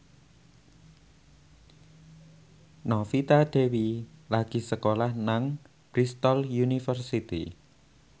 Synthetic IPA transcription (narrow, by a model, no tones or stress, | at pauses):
nɔfit̪aɖ̪̥e̤wilaɡ̥i̤səkolahnaŋ | b̥ɾist̪ɔljunifərsit̪ḭ